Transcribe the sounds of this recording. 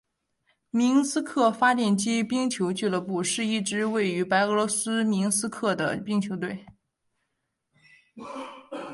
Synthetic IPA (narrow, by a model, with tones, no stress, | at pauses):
mi˧˥ŋsɹ̩˥kʰɤ˥˩fa˥t̪jɛ˥˩nt͡ɕi˥pi˥ŋt͡ɕʰjo˧˥ʊt͡ɕy˥˩lə˥˧pu˥˩ʂɻ̩˥˧i˥˩ʈ͡ʂɻ̩˥we˥˩ɪy˧˥pa˧˥ɪɤ˧˥lwɔ˧˥sɹ̩˥mi˧˥ŋsɹ̩˥kʰɤ˥˩d̪ə̰˩pi˥ŋt͡ɕʰjo˧˥ʊt̪̬we˥˩ɪ